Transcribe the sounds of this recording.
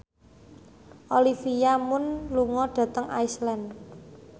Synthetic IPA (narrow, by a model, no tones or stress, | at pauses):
ʔolifijamʊnluŋɔɖ̥ä̤t̪əŋʔa̰islɛn